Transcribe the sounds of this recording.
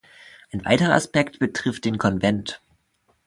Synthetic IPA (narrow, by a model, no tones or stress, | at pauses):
ʔaɪnva̰ɪtəʁɐʔa̰spɛktb̥ətʁ̥ɪft̚d̥eːnkʰɔnvɛnt